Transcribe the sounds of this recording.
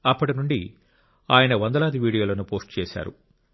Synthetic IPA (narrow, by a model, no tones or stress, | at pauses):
ɐpːɐʈinuɳɖi | aːjɐnɐʋɐnd̪ɐlaːd̪iʋiːɽijoːlɐnupo̞ːsʈt͡ʃɛːʃa̰ːɾṵ